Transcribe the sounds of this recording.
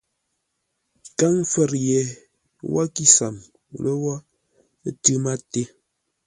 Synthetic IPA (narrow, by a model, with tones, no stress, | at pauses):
ka˦ŋ˦fə˦˨ɾjɛ˨ | wʔa̰˦ki˦sa˨m˨ | lə˦wa˦ | tɨ˦ma˦te˦